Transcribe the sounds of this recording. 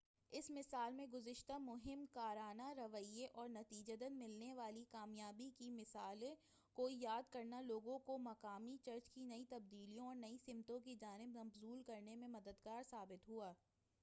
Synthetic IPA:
ɪsmɪsaːlmẽɡʊzɪʃt̪amʊɦɪmkaːɾaːnaɾɐʋəieʔɔːɾnɐt̪iːd͡ʒəd̪ənmɪlneʋaːlikaːmjaːbikimɪsaːlẽ | koːijaːd̪kɐɾnaloːɡõkomɐkaːmit͡ʃɐɾt͡ʃkinɐit̪ɐb̚d̪iːlijõɔːɾnɐisɪmt̪õkid͡ʒaːnɪbnɐfzuːlkɐɾnemẽmɐd̪əd̪ɡaːɾsaːbɪt̪ɦuaː

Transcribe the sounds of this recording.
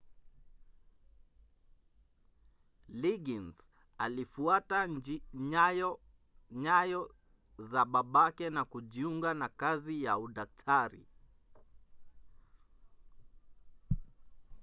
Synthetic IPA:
liɡinz | alifuata | ɔ | ɲajɔ | zaɓaɓakɛnakuʄiuŋɡanakazijauɗak̚tʰaɾḭ

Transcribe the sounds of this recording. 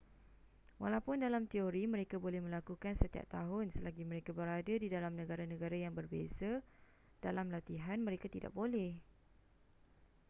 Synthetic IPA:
walawpʊndalamt̪ioɾimə̃ɾekabolɛhmə̃lakukansət̪ia̰p̚t̪aɦʊnsəlaɡimə̃ɾekabəɾadadidalamnə̃ɡaɾanə̃ɡaɾajaŋbərbḛza | d̥alamlat̪iɦanmə̃ɾekat̪ida̰ʔ̚bolɛh

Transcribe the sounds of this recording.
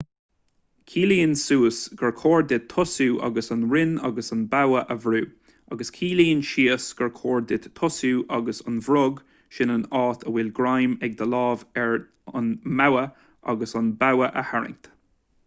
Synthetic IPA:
kʰiːliːnsuːəsɡ̥əɹkʰoːɹd̪ɪt̪ʰːʊsuːʔɑ̰ɡəsənɹɪnɑ̰ɡəsənbawəʔəvɾuː | ɑɡəskʰiːliːənʃiːəsɡ̥əɹkʰoːɹd̪ɪt̪ʰːʊsuːʔɑɡəsənvɾʊɡ | ʃɪnənɑːt̪ʰəwɪlɡɹajmɛɡ̚d̪əlɑːvɛɹ | ənmawə | ʔɑ̰ɡəsənbawəʔəhaɹɪ̰ŋt̪

